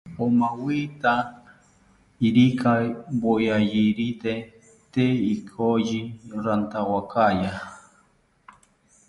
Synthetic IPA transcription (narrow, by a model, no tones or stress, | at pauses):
omawit̪a | iɾikʰajbojajiɾit̪e | t̪eikʰoʒiɾant̪awakaja